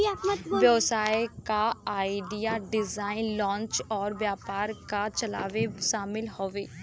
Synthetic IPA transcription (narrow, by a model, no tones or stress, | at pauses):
ʋjəʋsaːikaaːiɖijaːɖɪzaːinlɔ̃ːnt͡ʃɔːɾʋjaːpaːɾkaːt͡ʃəla̰ːʋeʃaːmɪlɦoːʋeː